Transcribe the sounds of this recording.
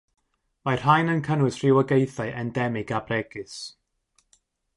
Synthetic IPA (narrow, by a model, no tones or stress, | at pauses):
mar̥hajnənkʰənwɨsr̥ɪwəɡejθaɨʔɛndɛmɪɡabrɛɡ̥ɨs